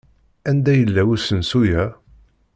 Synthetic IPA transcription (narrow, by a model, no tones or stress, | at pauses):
ænd̪æjəlːæwusənsujæ